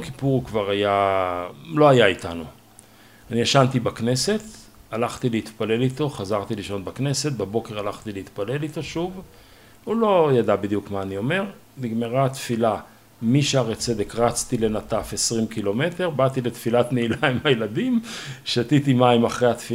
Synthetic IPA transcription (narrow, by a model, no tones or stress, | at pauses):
ki̥puʁkvaʁaja | lo̞ajait̪anu | anijaʃant̪ibakne̞se̞t̪ | alaχt̪ileit̪pale̞lit̪o̞χazaʁt̪iliʃo̞nbakne̞se̞t̪̚babo̞ke̞ʁalaχt̪ileit̪pale̞lit̪o̞ʃuv | ulo̞jad̪abid̪jukmaːnio̞me̞ʁ | miɡmeʁat̪fila | miʃeaʁet͡se̞d̪e̞kʁat͡st̪ile̞nat̪afe̞sʁimkilo̞me̞te̞ʁbat̪ile̞t̪filat̪neilaimhajelad̪imʃat̪it̪imaimaχʁehat̪fi